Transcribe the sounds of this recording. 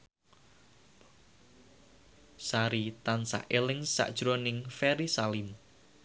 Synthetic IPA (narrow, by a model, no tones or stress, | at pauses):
saɾit̪ansa̰ʔelɪŋsa̰ʔd̥ʒ̥ɾonɪŋfɛɾisalim